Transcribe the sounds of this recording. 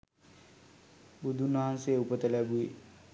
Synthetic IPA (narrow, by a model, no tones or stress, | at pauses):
bud̪ʱunaɦanseupət̪elabu